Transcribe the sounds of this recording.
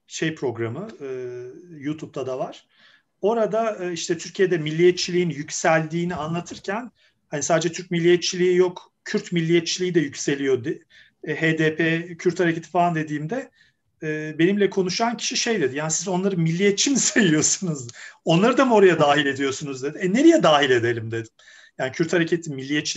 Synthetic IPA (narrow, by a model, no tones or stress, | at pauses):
ʃe̞jpɾo̞ɡɾamɯɯːjut̪ʰup̚t̪ʰad̪avaɾ̥ | o̞ɾad̪aɯiʃt̪ʰɛt̪ʰyɾcʰijed̪ɛmilʲːijɛt̪̚t͡ʃʰilʲijinjycsælʲd̪iːnianlˠat̪ʰɯɾcʰæn | hanisaːd̪ed͡ʒɛt̪ʰyɾc̚milʲːijɛt̪̚t͡ʃʰilʲiijok | cʰyɾt̪milʲːijɛt̪̚t͡ʃʰilʲijid̪ɛjycʲse̞lʲijo̞d̪ɪ | ɦeːd̪eːpʰecʰyɾt̪haɾecʰet̪ʰi̥falˠand̪e̞d̪iːmd̪ɛ | ɛːbe̞nimlʲɛkʰo̞nuʃancʰi̥ʃiʃe̞jd̪e̞d̪ijaːnisizo̞nlˠaɾɯnmilʲːijɛt̪̚t͡ʃʰimisajɯjo̞sunuzo̞nlˠaɾɯd̪amo̞ɾajad̪aːɦilʲe̞d̪ijo̞sunuzd̪e̞d̪iɛne̞ɾijɛd̪aːɦilʲe̞d̪e̞lʲimd̪e̞d̪im | jaːnicʰyɾt̪haɾecʰet̪ʰimilʲːijɛt̪t͡ʃi